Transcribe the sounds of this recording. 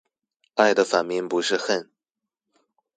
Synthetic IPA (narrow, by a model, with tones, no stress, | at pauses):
a˥˩ɪd̪ə˩fa˨˩nmi˧˥ŋpu˧˥ʂɻ̩˥˧xə˥˩n